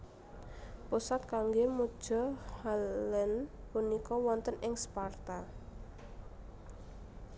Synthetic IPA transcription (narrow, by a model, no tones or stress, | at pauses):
pusat̪̚kaŋɡemud̥ʒ̥ɔ̤halɛnpunikɔwɔnt̪ənɪŋspart̪a